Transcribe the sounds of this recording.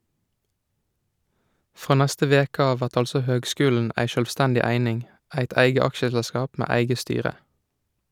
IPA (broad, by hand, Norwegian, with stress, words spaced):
ˈfʁoː ˈnɛstə ˈʋeːkə ˈɑːʋ ˈʋæʁt ˈɑlsɔ ˈhøːɡˌskʉːln̩ʔ ˈæɪ ʃœlʋˈstændɪ ˈæɪnɪŋ ˈæɪt ˈæɪɡə ˈɑkʃəsɛlˌskɑːp ˈmeː ˈæɪɡə ˈstyːʁə